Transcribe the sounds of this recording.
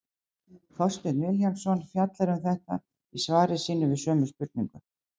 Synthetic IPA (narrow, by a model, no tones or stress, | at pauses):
θɔ̥st̪ɛɾnɪljansɔnfjat̪laɾʏmθɛht̪a̰ | isvaːɾɪsiːnʏvɪðsœːmʏspʏɾt̪̚niŋkʏ